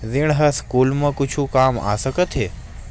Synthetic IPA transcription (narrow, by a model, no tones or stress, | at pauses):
ziɽ̃ɦəskuːlmãkʊt͡ʃʰũkaːma̰ːsəkət̪ʰɦe